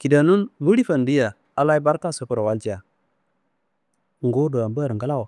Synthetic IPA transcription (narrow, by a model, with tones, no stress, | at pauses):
ki˨da˨nu˦nwu˦ɾi˦fa˨ndi˦ja˨ | a˨la˦i˦ba˦ɾta˦˨so˨˦ku˨ɾa˨wa˦ld͡ʒi˦a˨ | ŋɡo˦du˨a˨mba˦˨ɾŋɡa˦la˦w